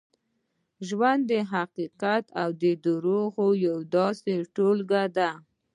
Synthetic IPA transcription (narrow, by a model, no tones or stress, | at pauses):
ʒwand̪ːəɦaqiqat̪awd̪əd̪əɾoɣojawd̪ɑseʈolɡad̪a